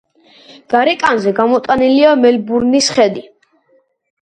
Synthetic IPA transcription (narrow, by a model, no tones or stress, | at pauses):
d̪̥aɾɛkʼanzɛɡamɔt̪ʼaniliamɛlbuɾnisχɛd̪i